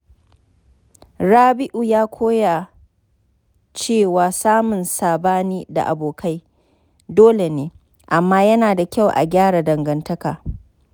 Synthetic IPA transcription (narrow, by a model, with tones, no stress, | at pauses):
ɽaː˦bɪ˦ʔu˨jaː˦kʷʰoː˦ja˨ | t͡ʃeː˦˨waː˨saː˦mʊ˨nsaː˨baː˦niː˦da̰˨ʔa̰˨boː˨kʰa˦j | doː˦le˨neː˦ | ʔa˨mːaː˦jɐ˦naː˨da˨kʲa˦˨wʔa̰˨ɡʲaː˦ɽa˨dɐ˨ŋɡɐ˦ntɐ˦kaː˨